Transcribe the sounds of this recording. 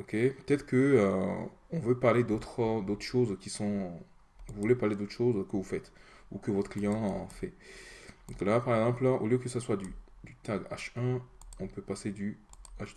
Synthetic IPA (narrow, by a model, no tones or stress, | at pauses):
ɔkʲepə̥t̪ɛt̪χəkəø̰ɔ̃vøpaʁled̪ot̪χd̪ot̪χʃozkʲisɔ̃ | uvuvulepaʁled̪ot̪χʃozkəvufɛt̪ | ukəvɔt̪χəklijɑ̃fɛd̪ɔ̃klapaʁɛɡzɑ̃plaʔo̰ljøkəsaswad̪y | d̪yt̪aɡa̰ʃɛ̃ɔ̃pøpased̪yaʃd̪